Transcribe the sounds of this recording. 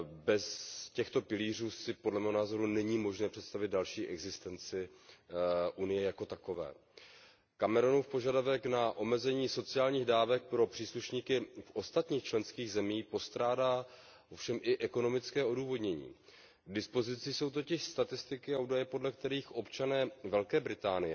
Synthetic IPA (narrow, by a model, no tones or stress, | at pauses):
bɛscɛxt̪o̞pɪliːr̝uːsɪpodlɛmɛːɦonaːzo̞ɾunɛɲiːmo̞ʒnɛːpr̥ɛt̪st̪avɪd̪̚dalʃiːʔɛɡzɪst̪ɛnt͡sɪ | ʔunɪjɛjako̞t̪ako̞vɛ̰ː | kamɛɾo̞nufpo̞ʒadavɛknaʔo̞mɛzɛɲiːso̞t͡sɪaːlɲiːɣdaːvɛk̚pɾo̞pr̥iːsluʃɲiːkɪfʔo̞st̪at̪ɲiːxt͡ʃlɛnskiːɣzɛmiːpo̞st̪ɾaːdaː | ʔofʃɛmʔɪʔɛko̞no̞mɪt͡skɛːo̞duːvo̞dɲɛɲḭː | ɡdɪspo̞zɪt͡sɪso̞wt̪o̞cɪʃst̪at̪ɪst̪ɪkɪaʔuːdajɛpo̞dlɛk̚t̪ɛɾiːxʔo̞pt͡ʃanɛːvɛlkɛːbɾɪt̪aːnɪjɛ